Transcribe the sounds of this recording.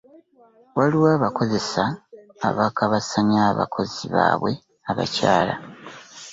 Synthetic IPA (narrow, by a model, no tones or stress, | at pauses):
waliwaːβako̞ze̞sa̰ː | βakaβasaɲaːβa̰kʰo̞ziβa̰ːβwe̞ | aβa̰caːla̰